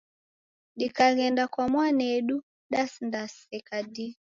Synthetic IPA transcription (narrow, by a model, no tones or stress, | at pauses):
ɗikaɣɛndakwamwanɛɗu | ɗasndasɛkadi